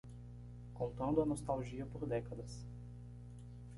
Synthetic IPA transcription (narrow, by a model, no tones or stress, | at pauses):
kõnt̪ɐ̃nd̪ʊɐnost̪awʒiɐpoɾd̪ɛkɐd̪ɐs